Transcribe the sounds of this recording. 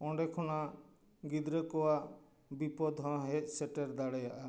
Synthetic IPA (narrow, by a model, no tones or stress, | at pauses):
ɔ̃ɳɖekʰɔna | ɡid̪ɾəkɔwaʔ | bipɔd̪ɦɔ̃ɦec̚seʈeɾd̪aɽɛjaʔa